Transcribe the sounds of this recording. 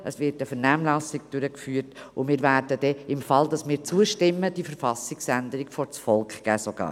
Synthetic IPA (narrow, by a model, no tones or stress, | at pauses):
ʔəsvɪɾtəfəɾnæːmlɑsɪk̚d̥ʏɾəkfyːəɾtʊmɪːɾvæːɾdəd̥ɛɪmfɑldɑsmɪːɾt͡suəʃtɪmːəd̥ifəɾfɑsɪksændəɾɪɡfɔɾt͡sfɔlˠkχɡ̥æːsoɡ̥ɑ̰ː